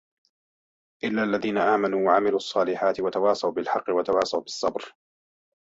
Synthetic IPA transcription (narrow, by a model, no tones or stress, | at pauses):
ʔɪlːaːʔalːaðiːnaʔaːmanuːwaʕamɪluːɑsˤːɑːlɪħaːt̪ɪwat̪awɑːsˤɑwbɪlħɑqːɪwat̪awɑːsˤɑwbɪsˤːɑbɾ